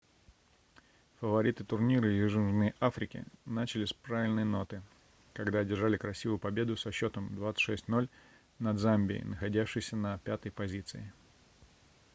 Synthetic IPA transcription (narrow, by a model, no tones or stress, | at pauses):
fəvɐɾʲit̪ɨt̪ʊrnʲiɾɨjuʐɨnʐnɨjʔafɾʲɪkʲɪ̰nat͡ɕɪlʲɪsʲpɾavʲɪlʲnəjno̞t̪ɨ | kɐɡd̪adʲɪrʐalʲɪkɾɐsʲivʊjʊpɐbʲe̞d̪ʊsɐɕːo̞t̪əmd̪vat̪sɨ̥tʲʂɛsʲtʲno̞lʲ | nɐd̪zambʲɪ̰ɪ̰nəxɐdʲæfʂɨjsʲənɐpʲat̪əjpɐzʲit̪sɨɪ